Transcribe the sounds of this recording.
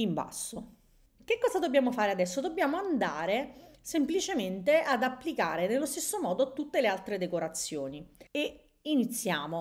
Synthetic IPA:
imba̰sːo | k̟ekːɔːzad̪obːjaːmofaːɾead̪ɛsːod̪obːjaːmoand̪aːɾesemplit͡ʃement̪ead̪apːlikaːɾenelːost̪esːomɔːd̪ot̪ut̪ːelealt̪ɾed̪ekoɾat̪sːjoːnie | init̪sːjaːmo

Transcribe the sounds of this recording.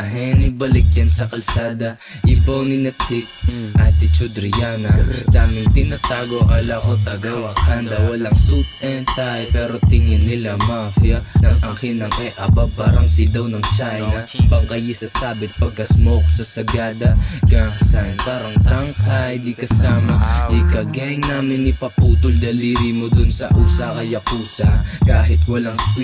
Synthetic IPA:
ʔɐɦɛnɪbɐlɪk̚jɐnsɐkɐlsaːd̪ɐ | ʔɪbownɪnɐt̪ɪk̚ʔat̪ɪt͡ʃʊd̪ɾɪjanɐd̪aːmɪŋt̪ɪnat̪aːɡoʔɐlaʔot̪ɐɡɐwakɐnd̪ɐwɐlaŋsut̪ɛnt̪ajpɛːɾo̞t̪ɪŋɪnnɪlamafijɐnɐŋʔɐŋkɪnɐŋʔɛʔɐbapaːɾɐŋsid̪ɐwnɐŋt͡ʃajnɐɐŋbɐŋkɐjɛsɐsaːbɪt̪̚pɐɡ̚kɐsmok̚sɐsɐɡaːd̪ɐkasanpaːɾɐŋt̪aŋkajd̪ikɐsaːmɐd̪ikɐɡɛŋnaːmɪnɪpɐpuːt̪ʊld̪ɐliːɾimod̪ʊnsɐʔusakɐjɐkuːsɐkaːɦɪt̪wɐlaŋs

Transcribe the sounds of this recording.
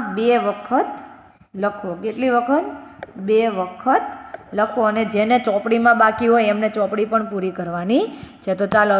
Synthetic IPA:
beʋəkʰət̪ | ləkʰokeʈliʋəkʰət̪beʋəkʰət̪̚ləkʰʋoəned͡ʒenet͡ʃɔpɽimãbakiɦojɛmnet͡ʃɔpɽipəɳpuɾikəɾʋanit͡ʃʰet̪ot͡ʃalə

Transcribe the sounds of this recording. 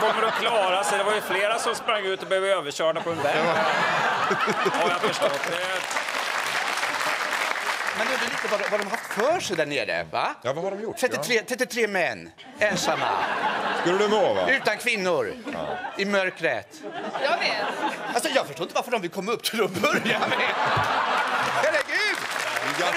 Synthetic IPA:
kʰɔmːəɖɛkʰlɑːɾasɛd̪ɛvaɾjəfleːɾasɔmspɾaŋːʉ̟ːt̪ɔbəhøvd̪əøːvəɕœːʈapʰɔɛnvɛ | ɔjafəʂtɔt̪d̪ɛt̪ | mɛnd̪ʉvɪɪnt̪əvaɖɔvaɖɔmɦaft̪fœːʂɛjd̪æːɳḛːɾə̰va̰javahaɖɔmjʊt̪ʰɾɛt̪ːɪɾeːt̪ʰɾɛt̪ːɪt̪ʰɾeːmɛnː | ɛnsamːa̰skɵlːəd̪ɵnova̰ʉ̟ːt̪ankʰvɪnːʊɾ̰ɪmœɾkɾə̰t̪jɑveːt̪alsɔjɑːɡfœʂʈoːɪt̪əvaɾfəɖɔmvɪkʰɔmːɵpːt̪ʰɪlɔbœɾjamɛ | hæɾəɡʉ̟ːd̪

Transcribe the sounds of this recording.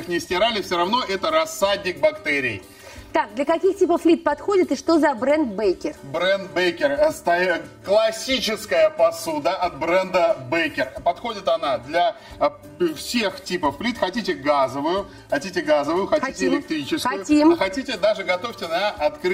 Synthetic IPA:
xnʲɪsʲtʲɪɾalʲɪfsʲoɾɐvno̞ʔɛt̪əɾɐsːadʲnʲɪk̚bɐkt̪ɛɾʲɪ̰j | t̪ak̚d̪lʲɐkɐkʲixtʲipəflʲit̪̚pɐt̪xo̞dʲɪt̪ɨʂt̪o̞zɐbɾɛnd̪̚bejkʲɪrbɾɛnd̪̚bejkʲɪrst̪ɐklˠɐsʲit͡ɕɪskəjəpɐsud̪əʔɐt̪̚bɾɛnd̪əbejkʲɪrpɐt̪xodʲɪt̪ɐnad̪lʲɐ | fsʲe̞xtʲipəfːlʲit̪xɐtʲitʲɪɡazəvʊjʊ | xɐtʲitʲɪɡazəvʊjʊxɐitʲɪɪlʲɪk̚t̪ɾʲit͡ɕɪskʊjʊimxɐtʲitʲɪd̪aʐɨɡɐt̪o̞fʲtʲɪnəɐt̪kɾ

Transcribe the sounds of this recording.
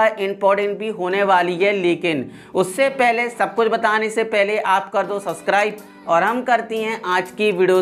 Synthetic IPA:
aɪ̃mpɔːɾʈɛ̃ɳʈ̚bʱiɦoːneʋaːliɦɛleːkɪn | ʊsːepɛɦlesɐb̚kʊt͡ʃʰbɐt̪aːnesepɛɦleʔaːpkɐɾd̪osɐbskɾaːɪb | ɔːɾɦɐmkɐɾt̪iɦɛ̃ʔaːd͡ʒkiʋɪːɖioː

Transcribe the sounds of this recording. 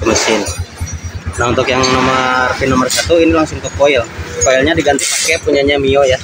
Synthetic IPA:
kəməsɪn | naunt̪ʊkjaŋnomərfinɔmərsat̪uinilaŋsʊŋt̪ɔpoɪlkoɪlɲadiɡant̪ipakɛpuɲaɲamioja

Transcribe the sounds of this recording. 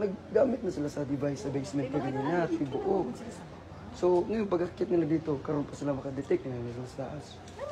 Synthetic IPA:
nɐɡ̚ɡaːmɪt̪̚nɐsɪlasɐd̪ɪbajsɐbɛjsmɛnt̪ɛɾɪnanat̪̚ɪboʔo | soŋɐjonpɐɡakjɪt̪nɪlad̪iːt̪o̞kɐɾo̞npɐsɪlamɐkɐd̪ɛt̪ɛk̚nɪnanasmɐst̪a̰ʔas

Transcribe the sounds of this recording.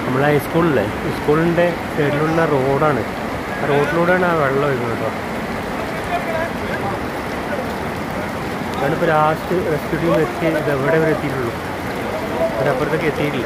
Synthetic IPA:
nɐmːɐɭehɐjskuːɭile | jskuːɭinɖe̞ | t̪eɽiluɭnaro̞ːɽaːɳɨ | aːro̞ːɖiloːɽaːɳɨaːʋeɭɐːɐʋɐɾkːunːɖɐo | ðaːɳɨpːoɾaːsʈɨresʈuɽijumʋet͡ɕːɨiðeʋiɽeoɾet̪ːiːluɭːu | pɐɾɐpːoːrɐt̪ːokːet̪ːijʈilːɐ

